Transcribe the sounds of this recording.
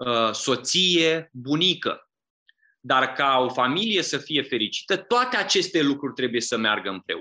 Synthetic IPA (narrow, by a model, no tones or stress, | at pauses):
əso̞t̪sije̞bunikə̰ | d̪arkao̞familije̞səfije̞fe̞ɾit͡ʃi̥t̪ət̪oat̪e̞at͡ʃe̞st̪e̞lukɾurʲt̪ɾe̞buje̞səmea̰rɡəɨmpɾe̞̰